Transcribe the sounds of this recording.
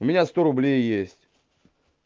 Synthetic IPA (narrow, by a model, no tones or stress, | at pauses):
ʊmʲɪnʲast̪oɾʊblʲejjesʲtʲ